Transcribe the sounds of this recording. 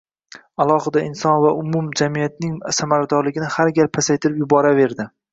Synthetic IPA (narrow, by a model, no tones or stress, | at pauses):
alˠɒhɪd̪aɪnsɒnvaʔʊmʊmd͡ʒamijat̪̚nɪŋsamaɾad̪ɒɾlɪɡʲɪnɪhaɾɡʲaɾpʰasajt̪ʰɪɾɪpjʊbɒɾave̞ɾd̪ɪ